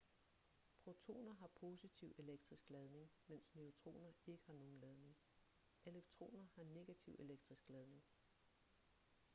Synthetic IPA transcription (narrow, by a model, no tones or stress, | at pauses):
pʰʁo̝t͡sʰo̝̰ːnɐɦɑ̈pʰo̝ːsit͡sʰiʊe̝leɡ̥̚d̥ʁisɡ̥lɛð̞ˠne̝ŋmen̰sne̝o̝t͡sʰʁo̝̰ːnɐe̝ɡ̥əhɑ̈no̝ːn̩lɛð̞ˠne̝ŋ | e̝leɡ̥̚t͡sʰʁo̝̰ːnɐhɑ̈ne̝ɡ̥æt͡sʰiʊe̝leɡ̥̚d̥ʁisɡ̥lɛð̞ˠne̝ŋ